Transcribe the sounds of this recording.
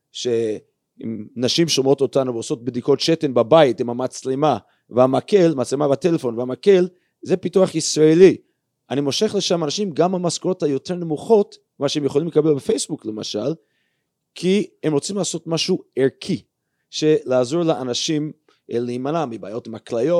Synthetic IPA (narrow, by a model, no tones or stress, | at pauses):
ʃe̞ | ḭmnaʃimʃomo̞to̞tanuveoso̞t̚bd̪iko̞tʃetenbabaitimamat͡slema | veamake̞lmat͡slemabate̞lefo̞nveamake̞l | ze̞pituaχisʁaeli | ʔanimo̞ʃe̞χleʃamanaʃimɡamamaskoʁo̞thajo̞tʰe̞ʁne̞muχo̞t | maʃeemjeχolimlekabelbefejsbukle̞ma̰ʃal | kʰiemʁo̞t͡simlaːso̞tmaʃueʁkʰi | ʃe̞laːzoʁleanaʃim | leimanamibaːjo̞tmaklajo